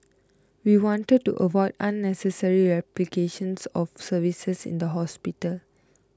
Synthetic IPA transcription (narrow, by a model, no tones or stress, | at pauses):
wiwɔ̃ntəd̚tṵʔəvɔɪdãnːɛsəsəɹiɹɛplikʰeʃə̃nsɔfsəvisəsḭ̃nd̪əɦɔspitəl